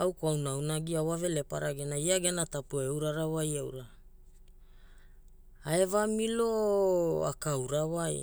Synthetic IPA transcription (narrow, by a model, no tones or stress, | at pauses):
awkoawnawnaɡiawave̞lepaɾaɡenaiaɡenatapuewɾaɾawajawɾa | aevamiloa̰kawɾawaj